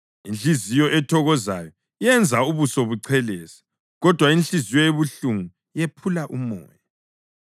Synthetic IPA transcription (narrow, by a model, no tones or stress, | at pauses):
inɬizijɔʔɛtʰɔɣɔza̰jɔ | ijɛnd͡zʱauβusoβuǀʰɛlɛːsḁ | ɣɔd̥ʱwainɬizijɔjeβuɬuŋu | jepʰulaʔumɔ̰ːja